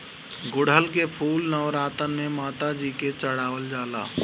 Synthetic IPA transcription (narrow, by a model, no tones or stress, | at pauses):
ɡʊɽɦəlkepʰuːlnəʊɾaːt̪ənmemaːt̪ad͡ʒiːket͡ʃəɽaːwəld͡ʒaːla̰ː